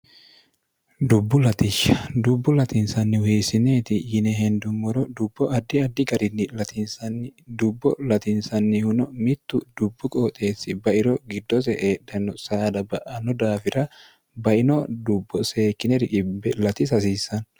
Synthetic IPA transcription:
d̪ʊbːʊlɐt̪ɪʃɐ̥d̪ʊbːʊlɐt̪ɪnsɐnːɪwiːsɪneːt̪ɪjɪnɛɦɛnd̪ʊmːɔɾɔd̪ʊbːɔʔɐd̪ːɪɐd̪ːɪɡɐɾɪnːɪlɐt̪ɪnsɐnːd̪ʊbːɔlɐt̪ɪnsɐnːɪhʊnɔmɪt̪ːʊd̪ʊbːʊkʼoːt̪ʼe̞ːsːɪbɐʔɪɾɔɡɪd̪ːɔsɛʔeːᶑɐnɔsaːd̪ɐbɐʔɐnɔd̪aːfɪɾɐ | bɐʔɪnɔd̪ʊbːɔse̞ːkːɪnɛɾɪᶑɪbːɛlɐt̪ɪsɐs̬iːsɐn

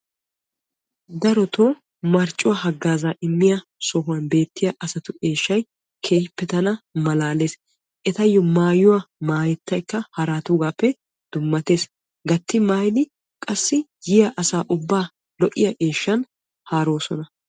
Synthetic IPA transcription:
d̪ɐɾɔt̪oː | mɐɾt͡ʃʼːʊwahɐɡːaːzaʔɪmːɪjɐ | sɔɦʊwɐnbe̞ːt̪ːɪjɐʔɐsɐt̪ʊʔe̞ːʃːɐj | kʰe̞ːjpːɛt̪ɐnɐmɐlaːle̞ːs | ʔɛt̪ɐjːɔmaːjʊwamaːjɛt̪ːɐjkːɐhɐɾaːt̪ʊɡaːpːɛ | d̪̥ʊmːɐt̪e̞ːs | ɡɐt̪ːɪmaːjd̪ɪ | kʼɐsːɪjɪjɐʔɐsaːʔʊbːaː | lɔʔːɪjɐʔe̞ːʃːɐn | haːɾoːsɔnɐ

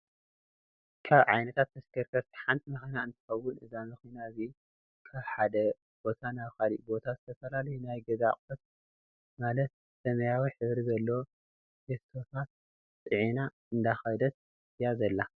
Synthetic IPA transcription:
kʰaβʕa̰jnɐt̪ʰat̪ːɐskʰɐɾkʰɐɾt̪ʰi̥ħant̪ʰʼimɐxinaɨnt̪ʰɨ̥xɐwːʊnʔɨzamɨxinaɨzi | kʰaβħad̪ɐ | b̥o̞t̪ʰanaβkalḭʔbo̞t̪ʰazɨt̪ʰɐfɐlalɐjunajɡɐza̰qʼɐs | malɐt̪̚ | sɐmɐjawiħɨβɾizɐlːɐo | hest̪ʰo̞t̪ʰat̪̚ | sʼɨʕina | ɨnd̪axɐjd̪ɐt̪̚ | jazɐlːa

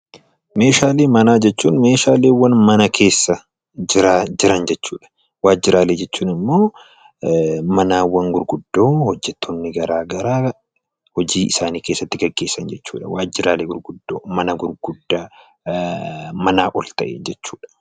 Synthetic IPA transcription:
me̞ːʃaːleːmɐnaːd͡ʒɛt͡ʃːuːnme̞ːʃaːleːwːɐnmɐnɐkʰe̞ːsːɐ | d͡ʒɪɾaːd͡ʒɪɾɐnd͡ʒɛt͡ʃːuːᶑɐ̥ | waːd͡ʒːɪɾaːleːd͡ʒɛt͡ʃːuːnɪmːo̞ː | mɐnaːwːɐŋɡʊɾɡʊd̪ːo̞ːhɔd͡ʒːɛt̪ʰːonːɪɡɐɾaːɡɐɾaː | hɔd͡ʒiːʔɪsaːniːke̞ːsːɐt̪ːɪɡɐɡːe̞ːsːɐnd͡ʒɛt͡ʃːṵːᶑɐwaːd͡ʒːɪɾaːleːɡʊɾɡʊd̪ːo̰ːmɐnɐɡʊɾɡ̥ʊd̪ːaː | mɐnaːʔɔlt̪ɐʔḛd͡ʒɛt͡ʃːuːᶑɐ̥

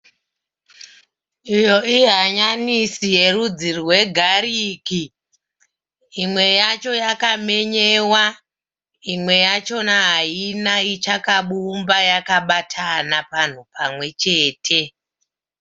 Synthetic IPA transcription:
ijo̞iɦaɲanisije̞rud͡zirwe̞ɡʱaɾiːki | mwe̞jat͡ʃo̞jakame̞ɲe̞ːwa | imwe̞jat͡ʃo̞naɦainait͡ʃakaɓumbajakaɓatʰanapan̤upamwe̞t͡ʃe̞ːtʰe̞

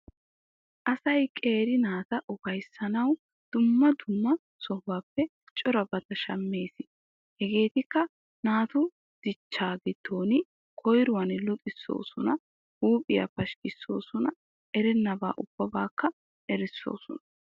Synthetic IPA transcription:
ʔɐsɐjkʼe̞ːɾɪnaːt̪ɐʔɔkɐjsɐnɐw | d̪̥ʊmːɐd̪ʊmːɐ | sɔhaːpːɛ | t͡ʃʼɔɾɐbɐt̪ɐʃɐ̰mːe̞ːsɪ | hɛɡe̞ːt̪ɪkːɐ | naːt̪ʊ | d̪̥ɪt͡ʃːaːɡɪd̪o̞ːnɪ | kʰɔjɾʊwɐnlɔt̪ʼɪsːo̞̰ːsɔnɐ | huːpʼɪjɐ̰pɐʃkɪsːo̞̰ːsɔnɐ | ʔɛɾɛnːɐba̰ːʔʊb̥ːɐbaːkːɐ | ʔɛɾɪsːo̰ːsɔ̰nɐ

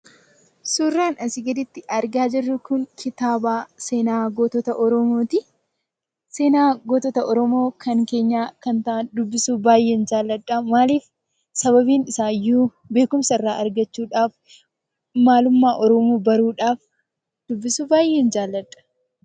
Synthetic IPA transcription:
suːrːaːnɐsɪɡɐd̪ɪt̪ːɪʔɐɾɡaːd͡ʒɪrːʊkʊŋkʰɪt̪aːbaːseːnaːɡoːt̪ɔt̪ɐʔɔɾɔmoːt̪ɪ | se̞ːnaːɡoːt̪ɔt̪ɐʔɔɾɔmo̞ːkʰɐŋke̞ːɲːaːkɐnt̪ɐʔɐnd̪ʊbːɪsuːbaːjːe̞ːnd͡ʒaːlːɐᶑːamaːliːf | sɐβɐbiːnɪsaːjːuː | be̞ːkʊmsɐɪrːaːʔɐɾɡɐt͡ʃːuːᶑaːf | maːlʊmːaːʔɔɾɔmuːbɐɾuːᶑaːf | d̪̥ʊbːɪsuːbaːjʔe̞ːnd͡ʒaːlːɐᶑɐ̥

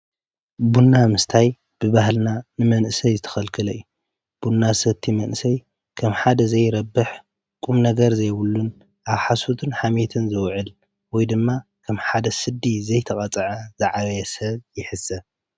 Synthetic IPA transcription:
bunːamɨst̪ʰaj | b̥ɨβahlnanɨmɐnʔɨsɐjzɨt̪ʰɐ̥xɐlkʰɨlɐju | b̥unːasɐt̪ʰimɐnʔɨsɐj | kʰɐmħad̪ɐzɐjɾɐbːɨħ | kʼumnɐɡɐɾzɐjβulːun | ʔaβħasot̪ʰɨnħamet̪ʰɨnzɨwʕɨl | wɔjd̪ɨmːa | kʰɐmħad̪ɐsɨd̪ːizɐjt̪ʰɐkʼɐt͡sʼɐʕɐz̥ɨʕaɾjɛsɐβjɪħɨsːɐ

